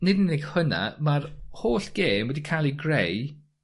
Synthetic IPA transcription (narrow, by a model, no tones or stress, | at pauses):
nɪdɪnɪɡ̥həna̰marhoːɬɡ̥eːmwɛdikʰalˠiɡrej